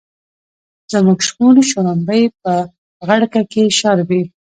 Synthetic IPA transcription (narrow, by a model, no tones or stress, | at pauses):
zəmuɡʃkulʃoɾambəjp̚ə | ɣaɽkakeʃaɾbi